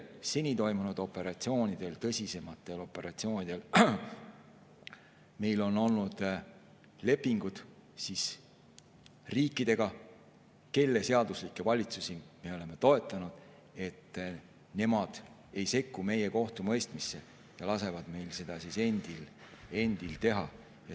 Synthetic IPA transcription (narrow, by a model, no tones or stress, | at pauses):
se̞nʲit̪o̞jmunud̪̥o̞pːˑe̞ɾɑt̪sio̞ːnid̪̥e̞lt̪ɤsʲise̞mɑt̪ːˑe̞lo̞pːˑe̞ɾɑt̪sio̞ːnʲid̪̥e̞l | me̞jlo̞no̞lnud̪̥ | le̞pːiŋɡ̥ud̪̥sis | riːkːˑid̪̥e̞ɡ̥ɑ | ke̞lːe̞se̞ɑd̪̥uslikːˑe̞vɑlʲit̪susime̞o̞le̞me̞t̪o̞e̞t̪ːˑɑnud̪̥ | e̞t̪ː | ne̞mɑd̪̥ | e̞jse̞kːume̞je̞ko̞ht̪umɤjst̪misːe̞ | jɑlɑse̞vɑd̪̥me̞jlse̞d̪̥ɑsise̞nd̪̥il | e̞nd̪̥ilt̪e̞ɦɑ | jɑ